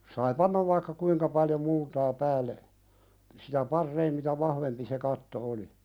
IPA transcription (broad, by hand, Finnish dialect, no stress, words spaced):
sɑi pɑnːɑʋ ʋɑikːɑ kuiŋkɑ pɑljo multɑː pæːlːe siːtæ pɑrːeim mitæ ʋɑhʋempi se kɑtːo oli